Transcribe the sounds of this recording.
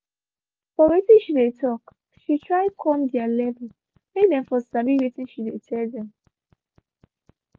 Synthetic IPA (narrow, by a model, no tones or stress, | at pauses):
fɔwetĩnʃidetɔk | ʃitɹaɪkʰɔmdɛalɛvɛl | mek̚dɛ̃mfɔsabiwetĩnʃidetʰɛldɛ̃m